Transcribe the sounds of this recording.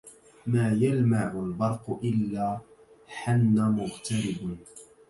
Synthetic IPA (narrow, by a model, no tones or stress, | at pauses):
maːjalmaʕʊlbɑɾˤqʊʔɪlːaː | ħanːamʊɣt̪aɾɪb